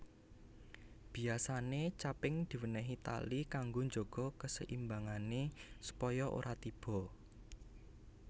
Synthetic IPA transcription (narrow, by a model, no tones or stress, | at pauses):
b̥i̤asanet͡ʃapɪŋd̪̥i̤wənəɦit̪a̰likaŋɡoɲd͡ʒoɡ̥ɔ̤kəsə̰ʔimbaŋanesu̥pɔjɔʔo̰ɾʔat̪ib̥ɔ̤